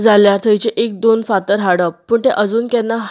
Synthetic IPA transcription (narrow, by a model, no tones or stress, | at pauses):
d͡zaljaɾt̪ʰəjt͡ɕeʔek̚d̪onfat̪əɾɦaɽəppəːɳt̪eʔəd͡zuːnkɛ̃nːa